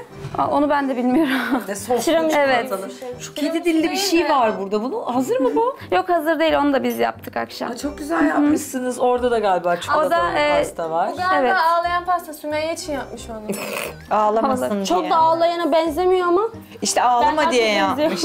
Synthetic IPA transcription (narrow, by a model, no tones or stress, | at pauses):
a̰o̞nubænd̪ɛbilʲmijo̞ɾumd̪ɛsot͡ʃɯɾamɯevɛt̪nt͡ʃʰo̥kʰed̪id̪ilʲːibiʃejvaɾbuɾd̪abunuhazɯɾmɯbujo̞khazɯɾd̪e̞jilo̞nud̪abizja̰p̚t̪ʰɯka̰kʃa̰mt͡ʃʰo̞k̚ɟyzælʲjapmɯʃsɯnɯzo̞ɾd̪ad̪aɡalʲbaːt͡ʃʰooɾd̪ast̪ʰavaɾaevɛaaːlˠajanfast̪ʰasymejeit͡ʃʰinjap̚mɯʃon | aːlˠaaat͡ʃʰo̞k̚d̪aaːlˠajanabɛnze̞mijo̞ama | iʃt̪ʰɛaːlˠamad̪ijejazijo